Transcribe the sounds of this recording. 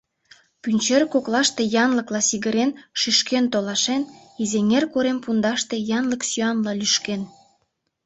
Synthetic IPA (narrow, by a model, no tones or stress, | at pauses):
pynʲt͡ɕerkoklɑʃt̪e̽jɑnləklɑsiɣəɾenʃyʃkent̪olɑʃen | izeŋerkoɾempund̪ɑʃt̪e̽jɑnləksyɑnlɑlyʃken